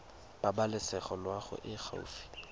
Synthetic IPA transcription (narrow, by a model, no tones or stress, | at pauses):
b̥abalɪsɛχɔlwaχʊ̰ʔɪχʰa̰ṵfi̥